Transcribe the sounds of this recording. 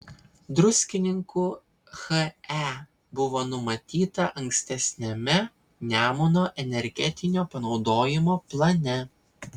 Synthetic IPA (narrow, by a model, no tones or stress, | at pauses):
d̪ɾʊsʲkʲɪnʲɪŋku | xɐæ | bʊʋoːnʊmɐt̪ʲiːt̪ɐʔɐŋʲksʲt̪ʲɛsʲnʲɛmʲɛ | nʲæːmʊnoːʔɛnʲɛɾʲɡʲɛt̪ʲɪnʲoːpɐnɒʊd̪oːjɪmoːplˠɐnʲɛ